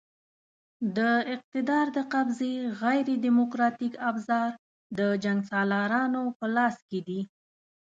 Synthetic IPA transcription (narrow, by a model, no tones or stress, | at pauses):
d̪əɪq̚t̪ɪd̪ɑɾd̪əqabzeɣajɾed̪imokɾɑt̪ikabzɑɾ | d̪əd͡ʒaŋɡsɑlɑɾɑnopəlɑsked̪i